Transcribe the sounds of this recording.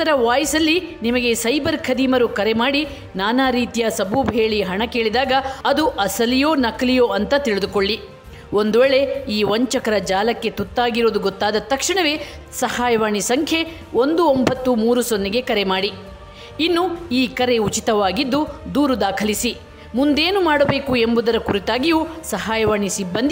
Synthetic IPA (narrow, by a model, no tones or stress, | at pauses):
t̪ɐɾɐʋaːjisɐlːinimɐɡe̞sɐjbɐɾkʰɐd̪iːmɐɾukɐɾemaːɽi | naːnaːɾiːt̪ijɐsɐbuːbʱɦeːɭiɦɐɳɐke̞ːɭid̪aːɡɐɐd̪uʔɐsɐlijoːnɐklijoːɐnt̪ɐt̪iɭid̪ukoɭːi | o̞nd̪uʋɛːɭe̞iːʋɐɲt͡ʃɐkɐɾɐd͡ʒaːlɐkːe̞t̪ut̪ːaːɡiɾo̞ːd̪uɡot̪ːaːd̪ɐt̪ːɐkʂiɳɐʋe | sɐhaːjɐʋaːɳisɐŋkʰje̞ | o̞nd̪uombʱɐt̪ːumuːɾusonːiɡe̞kɐɾe̞maːɽi | inːuiːkɐɾe̞ut͡ʃit̪ɐʋaːɡid̪ːud̪uːɾud̪aːkʰɐlisi | mund̪eːnumaːɽɐbe̞ːkue̞mbud̪ɐɾɐkuɾit̪aːɡijusɐɦaːjɐʋaːɳisibːɐnd̪i